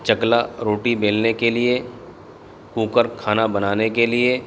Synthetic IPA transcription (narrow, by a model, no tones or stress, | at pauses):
t͡ʃɐklaɾoːʈibeːlnekelie | kũːkəɾkʰaːnabɐnaːnekelie